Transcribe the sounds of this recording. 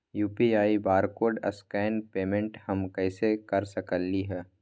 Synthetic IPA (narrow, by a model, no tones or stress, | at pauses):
juːpiaːibaːɾkoːɾɖɐ̰skɛːnpeːmẽɳʈhɐmkɛːsekɐɾsɐkəlːiɦɛː